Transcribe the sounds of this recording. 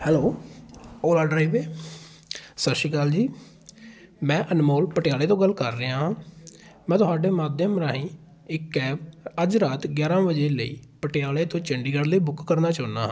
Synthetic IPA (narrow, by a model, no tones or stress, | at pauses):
hɛːloː | oːlaːɖɾaːiʋeː | səʃiːkaːld͡ʒiː | mɛ̃ːʔənmoːlpəʈɪjaːleːt̪õːɡəlkəɾːəãɦãːmɛ̃ːt̪ʊɦaːɖeːmaːd̪jəmɾaːɦĩː | ɪkːɛːbəd͡ʒɾaːt̪ɡjaːɾãːbəd͡ʒeːləḭːpəʈɪjaːleːt̪õːt͡ʃəɳɖiːɡəɽləiːbʊkːəɾnaːt͡ʃaːna̰ːɦã̰ː